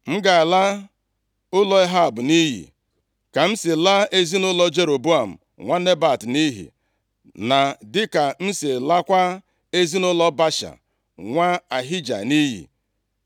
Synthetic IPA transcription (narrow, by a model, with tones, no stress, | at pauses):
m̩˦ɡa˨a˨la˦ | ʊ˦lɔ˦e˦ɦa˦˨bʊ˨ni˦ɦḭ˨ | ka˨m̩˦si˨la˦e˦zi˦nʊ˦lɔ˦d͡ʒe˦ɾo˨bu˦a˨m̩˨ | ŋʷa˦ne˦ba˨tni˦ɦḭ˨ | na˨dɪ˦ka˨n̩˦se˨la˦kʷa˦ | e˦zi˦nʊ˦lɔ˦ba˦ʃa̰˨ | ŋʷa˦a˨ɦi˦d͡ʒa̰˨ni˦ɦḭ˨